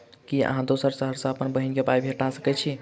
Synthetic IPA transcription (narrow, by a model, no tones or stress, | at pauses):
kiə̰ɦãd̪osəɾsəɦəɾsə̃əpənbəɦinkebajbʱeʈasə̥kɛt͡ʃʰi